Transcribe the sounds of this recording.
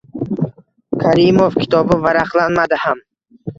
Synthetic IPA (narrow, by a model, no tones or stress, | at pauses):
kʰaɾimofkʲʰɪ̥t̪ʰɒbɪvaɾaqlˠanmad̪ɪham